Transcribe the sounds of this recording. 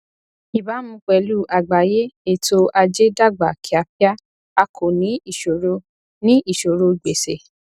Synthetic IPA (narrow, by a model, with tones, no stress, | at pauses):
i˨ba˨˦mũ˦k͡pɛ˧˨lu˦ʔa˨ɡ͡ba˨je˦e˦˨to˧ʔa˧d͡ʒe˦da˦˨ɡ͡ba˨ki˨˦a˧pa˦ | a˧kʰo˨nĩ˨˦i˦˨ʃo˨ɾo˧ | nĩ˦i˦˨ʃo˨ɾo˧˨ɡ͡be˨se˨